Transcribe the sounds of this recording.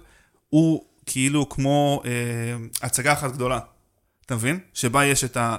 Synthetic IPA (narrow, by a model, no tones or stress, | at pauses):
u | kʰiilukmo̞eat͡saɡaːχatɡd̪o̞la | atamevinʃe̞bajeʃeta